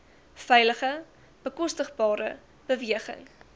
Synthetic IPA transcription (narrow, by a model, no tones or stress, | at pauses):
fɛjləχə | b̥əkɔstəχbɑːɾə̰ | b̥əviəχə̰ŋ